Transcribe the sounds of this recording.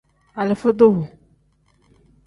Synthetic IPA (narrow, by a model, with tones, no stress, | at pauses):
a˨le˨fo˦d̪o˦wo˨